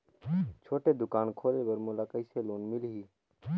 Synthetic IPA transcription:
t͡ʃʰoːʈed̪ʊkaːnkʰoːlebəɾmulakəɪseloːnmɪlɦiː

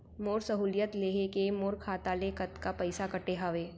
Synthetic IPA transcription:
moːɾsɐɦuːljət̪leːɦekemoːɾkʰaːt̪aːlekət̪kapɐɪsakɐʈeɦaːʋeː

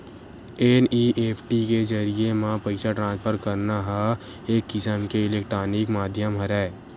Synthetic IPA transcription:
eniʔeːpʰʈikezəɾiemãpəɪsaʈɾãːnspʰəɾkəɾnaɦa | eːkːɪsəmkeɪleːkʈɾaːnɪkmaːd̪ʱjəmɦəɾɛː

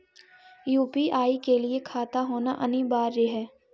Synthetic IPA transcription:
juːpiʔaːikeliekʰaːt̪aɦoːnaʔɐ̰nibaːɾːeɦɛː

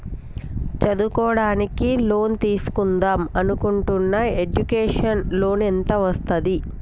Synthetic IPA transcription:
t͡ʃɐd̪ukɔːɽaːnikilo̞ːnt̪iːsu̥kund̪aːmɐnukuɳʈunːɐed͡ʒukeːʂɐnlo̞ːnɛnt̪ɐʋɐst̪ɐd̪i

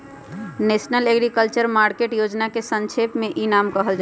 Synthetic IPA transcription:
nesnəleɡɾikəlt͡ʃəɾmaɾkeʈjod͡ʒnakesə̃nt͡ʃʰepmeʔinamkəɦəld͡ʒa

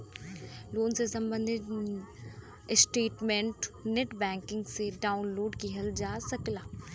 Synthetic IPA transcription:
loːnsesɐ̃mbə̃nd̪ʱɪt̪ | sʈeːʈmẽɳʈneʈbɛ̃ːŋkɪ̃ŋɡseɖaːʊnloːɖkiɦɐld͡ʒaːsɐklaː

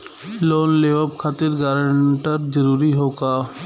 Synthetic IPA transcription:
loːnleʋəbkʰaːt̪iɾɡaɾəɳʈəɾd͡ʒəɾuːɾiɦoːkaː

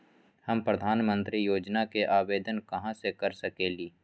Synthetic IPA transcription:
hɐmpɾəd̪ʱaːnmə̃nt̪ɾijoːd͡ʒnakeʔaːʋeːd̪ənkɐɦãsekɐɾsɐkeːliː

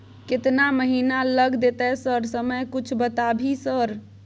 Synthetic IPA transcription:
kɪt̪naməɦinaləɡd̪et̪ɛsəɾsəməjkut͡ʃʰbət̪abʱisəɾ

